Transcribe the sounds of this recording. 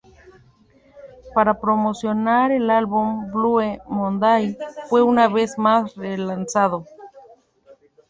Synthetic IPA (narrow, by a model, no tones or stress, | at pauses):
paɾapɾomosjonaɾelalβumbluemond̪ajfweunaβezmasrelansaðo